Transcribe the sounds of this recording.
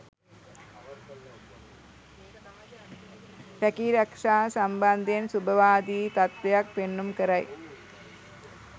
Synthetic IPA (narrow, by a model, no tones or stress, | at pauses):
pækiɾɐkʂaːsamband̪ijensubəʋaːd̪iːt̪at̪ʋejak̚penːumkəɾaj